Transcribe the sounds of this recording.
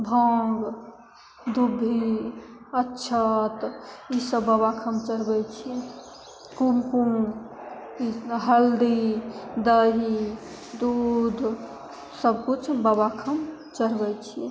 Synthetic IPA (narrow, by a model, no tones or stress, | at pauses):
bʱəŋɡ | d̪ubʱːi | ətːʃʰət̪isəbːəbakʰəmt͡ʃəɾbɛt͡ʃʰi | kumkum | iɦəld̪id̪əɦi | d̪ud̪ʱ | səbkut͡ʃʰbəbakʰəm | t͡ʃəɾbɛt͡ʃʰi